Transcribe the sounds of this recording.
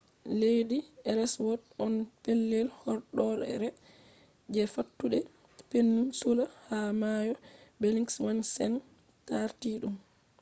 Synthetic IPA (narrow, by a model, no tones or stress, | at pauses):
lejdiɛɾɛswɔtɔnpelːelhɔɾɗɔɾɛ̰ɾɛ | d͡ʒɛfatːuɗɛ | penːumsulahamajɔbeliŋkswansɛn | taɾtiɗum